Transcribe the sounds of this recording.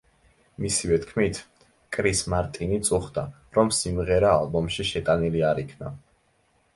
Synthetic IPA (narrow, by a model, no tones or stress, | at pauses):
misivɛt̪ʰkʰmit̪ʰ | kʼɾismaɾt̪ʼinit̪sʼuχd̪a | ɾɔmsimʁɛɾaːlˠbɔmʃiʃɛt̪ʼaniliaɾikʰna̰